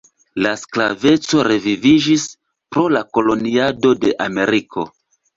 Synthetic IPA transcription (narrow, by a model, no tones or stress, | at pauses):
lasklave̞t͡so̞ɾe̞vivid͡ʒis | pɾo̞lako̞lo̞niado̞de̞ʔame̞ɾikʰo̞̰